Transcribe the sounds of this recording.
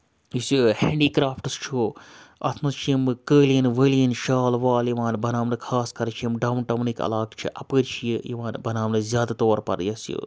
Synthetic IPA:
isjuhḛːɳɖiːkɾaːfʰʈɨst͡ʃʰoːɐ̰t̪ʰnɐst͡ʃʰijimɨkəːljinʋəːljɐnʃaːlʋaːljiʋaːnbɐnaːmnɨkʰaːskɐɾt͡ʃʰiimɖɐwnʈɐmnikɐ̰laːkt͡ʃʰḭʔɐpəːɾt͡ʃʰijijiʋaːnbɐnaːmnɨzʲjaːd̪at̪oːɾpɐ̰ɾjɐsjṵ

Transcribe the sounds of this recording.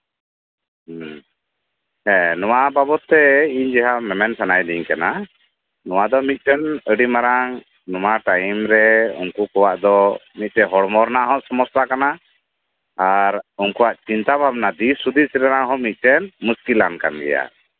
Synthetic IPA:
ɛ̃nɔwababɔt̪ːɛiɲd͡ʒɛɦamɛmɛnsanajd̪iɲkana | nɔw̃ad̪ɔmit̪̚ˀt̪ɛnəɖimaɾaŋ | nɔwaʈajmɾɛṵnkukɔwaʔd̪ɔmit̪̚t̪ɛɦɔɽmɔɾnaʔɦɔ̃sɔmɔst̪akana | aɾunkuwaʔt͡ʃint̪abʱab̚nad̪isud̪isɾɛɾaʔɦɔ̃mit̪̚ˀt̪ɛnmuskilanka̰nɡɛ̰ja̰

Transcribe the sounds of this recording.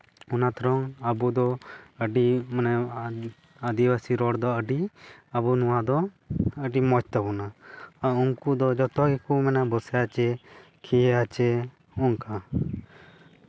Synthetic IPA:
unat̪ʰɔɾɔŋabud̪ɔəɖimanɛ | əd̪ibasiɾɔɽd̪ɔəɖiabunuwad̪ɔ | əɖimɔt͡ʃt̪abɔnaauŋkud̪ɔd͡ʒɔt̪ɔɡɛkumɛnabɔsɛat͡ʃɛ | kʰijɛat͡ʃɛ | uŋka

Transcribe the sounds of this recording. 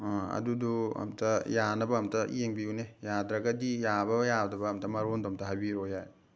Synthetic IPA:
ɐ̰duduɐ̰mtʰɐjanɐbɐːmtɐ̰jeŋbiunejadɾɐɡɐdijabɐjadɐbɐːmtɐmɐɾonduɐmtʰɐɦabiɾojaj

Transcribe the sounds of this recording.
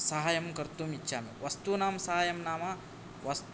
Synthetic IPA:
sɐɦaːjɐmkɐɾt̪uːmitːʃʰaːmḛʋɐst̪uːnaːmsɐɦaːjɐmnaːma | ʋɐst̪

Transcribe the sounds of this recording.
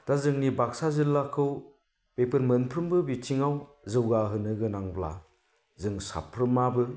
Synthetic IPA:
d̥azɯŋnibak̚sazilːakʰɯw | pepʰɯɾmɯnpʰɾɯmbɯbitʰiŋaw | zɯwɡaɦɯnɯɡɯnaŋbla̰ | zɯŋsa̰pʰɾɯmabɯ

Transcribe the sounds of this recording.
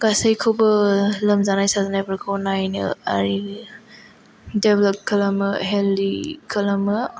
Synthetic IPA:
ɡ̥asɐjkʰowbɐlɐmzanajsazanajbɐɾkʰownajnɯ̰a̰ɾi | deblɔp̚kʰɐlamɯɦeldikʰɐlamɯ

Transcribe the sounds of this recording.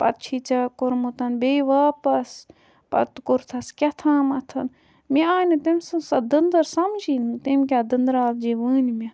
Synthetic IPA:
pɐ̰t̪̚t͡ʃʰit͡ʃɐkʊɾmut̪ɐnbeːʋaːpɐs | pɐ̰t̪kʊɾt̪ʰɐskʲɐt̪ʰãːmɐt̪ʰɐn | miaːnɐt̪emsɨsɐd̪ənd̪ɐɾsɐmd͡ʒint̪emkʲaːd̪ɐnd̪ɾaːld͡ʒeʋuːnimʲe

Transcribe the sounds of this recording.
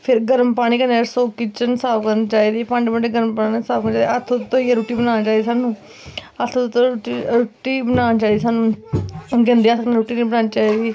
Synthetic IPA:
pʰɪɾɡəɾmpaːɽ̃iːkəneːɾsoːkɪt͡ʃənsaːʋkənt͡ʃaːiːd̪iːpãːɳɖbəɳɖeɡəɾmpaːnsaːʋkənt͡ʃaːd̪iət̪ʰːot̪t̪ʰːõieɾuːʈiːbənaːt͡ʃaːid̪iːsaːnũː | ət̪ʰot̪ʊt̪ːõiɾuːʈiːbənãːnt͡ʃaːid̪iːsaːnũː | ɡə̃nd̪iaːsəkneɾuːʈiːnbənaːnt͡ʃaːid̪iː

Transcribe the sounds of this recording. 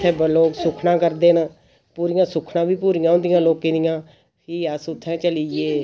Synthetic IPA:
ɛ̃ːbəloːksʊkʰnãːkəɾd̪eːn | puːɾɪjãːsʊkʰnãːʋiːpuːɾɪjãːʊ̃nd̪ɪjãːloːkẽːd̪ɪjãː | pʰiːəsʊt̪ʰːɛ̃ːt͡ʃəliːeː

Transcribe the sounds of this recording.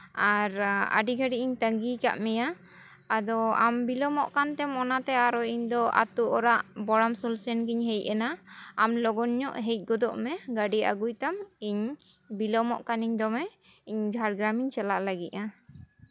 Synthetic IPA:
aɾa̰ɖiɡaɖiʔiɲt̪əŋɡikaʔmɛjaː | d̪ɔambilɔmɔʔkant̪ɛmɔnat̪ɛaɾɔiɲd̪ɔa̰t̪uʔɔɾaʔbɔɽamsɔlsɛnkiɲɦɛjʔ̚ɛnaːmlɔɡɔnɲɔʔɦɛjt̚ˀɡɔd̪ɔʔmɛɡaɖia̰ɡujt̪amiɲ | bilɔmɔʔkaniɲd̪ɔmɛ | iɲbʱaɾɡɾamiɲt͡ʃalaʔlaɡiʔa

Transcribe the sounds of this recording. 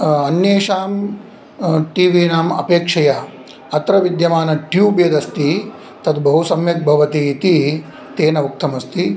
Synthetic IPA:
ɐnjeːʂaːm | ʈiːʋiːnaːmɐ̰peːkʂɐjɐ | ɐt̪ɾɐʋid̪jɐmaːnɐʈjuːbeːd̪ɐst̪i | t̪ɐt̪bɐɦusɐmjɐk̚bʱɐʋɐt̪it̪i | t̪eːnɐuk̚t̪ɐmɐst̪i

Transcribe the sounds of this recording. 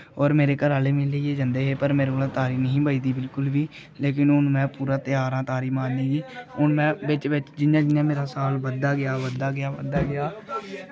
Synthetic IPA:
ɔːɾmeːɾeːkəɾaːleːmɪːleeːd͡ʒənd̪eːɦeːpəɾmeːɾoːlãːt̪aːɾiːnəɦĩːbəiːd̪iːbɪlkʊlʋiː | leːk̬ɪnʊnmɛ̃ːpuːɾãːt̪ɪjaːɾãːt̪aːɾiːmãːnd̪ĩːɡiːʊnmɛ̃ːʋɪt͡ʃʋɪt͡ʃd͡ʒɪnjãːd͡ʒɪnjãːmeːɾaːsaːlʋəd̪ːaːɡɪjaːʋəd̪ːaːɡɪjaːʋəd̪aːɡɪjaː

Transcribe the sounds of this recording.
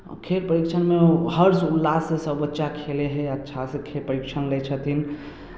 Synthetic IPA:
kʰelpəɾikt͡ʃʰənmẽɦəɾsulːasesəbːətːʃakʰeleɦɛətːʃʰasekʰelpəɾikt͡ʃʰənlɛt͡ʃʰət̪in

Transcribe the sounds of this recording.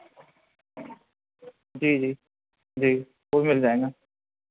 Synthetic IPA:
d͡ʒiːd͡ʒiː | d͡ʒiː | oːmɪld͡ʒaːẽːɡaː

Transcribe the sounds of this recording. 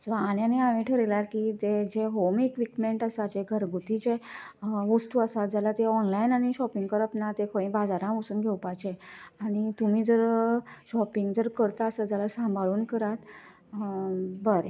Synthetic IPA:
soañjaneaʋĩʈʰəɾelaɾkit̪ed͡ʑeɦomekʋikmeɳʈasat͡ɕeɡʱəɾɡʱut̪it͡ɕe | ʋusʈuəsat̪̚d͡zalat̪eɔnlainañiɕɔpiŋɡkəɾəpnat̪ekʰəɭĩbad͡zaɾãʋəsuːnɡʱewpajt͡ɕeaɽ̃it̪um̤iːd͡zəɾɕɔpiŋɡd͡zəɾkəɾt̪aːsəd͡zalasãmbʱaɭuːnkəɾat̪ | bəɾe

